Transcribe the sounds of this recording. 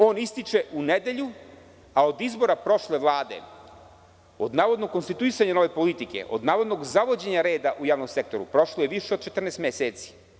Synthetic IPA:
o̞ːnist̪it͡ʃe̞ʔuned̪e̞ʎu | ao̞d̪izbo̞ɾapɾo̞ʃleʋlˠaːd̪e̞̰ | o̞d̪naːʋo̞d̪nokonst̪it̪uisaɲano̞ʋe̞po̞lit̪ike̞̰ʔo̞̰d̪naːʋo̞d̪noɡzaʋo̞d͡ʑe̞ɲaɾe̞ːd̪aʔujaːʋnomsek̚t̪o̞ɾṵpɾo̞ʃlˠoje̞ʋiʃeod̪̚t͡ʃe̞t̪r̩nest̪mʲeseːt̪si̥

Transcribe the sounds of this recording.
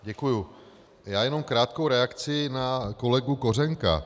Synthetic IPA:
ɟɛkuju | jaːjɛno̞mkɾaːt̪kowɾɛakt͡sɪnakolɛɡukorɛŋka̰

